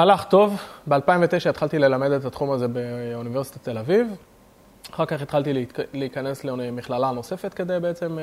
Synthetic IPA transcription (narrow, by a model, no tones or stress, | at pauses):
alaχt̪o̞vbealpaimvet̪e̞jʃaet̪χalt̪ile̞lame̞d̪et̪at̪χumaze̞beuniveʁsi̥t̪at̪e̞laviv | aχaʁkaχet̪χalt̪illiikanesleemiχlalano̞se̞fet̪ke̞d̪e̞jbeet͡se̞m